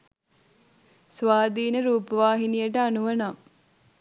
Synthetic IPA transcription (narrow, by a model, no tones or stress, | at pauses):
sʋaːd̪iːnəɾuːpəʋaːɦinijəʈəanuʋɐna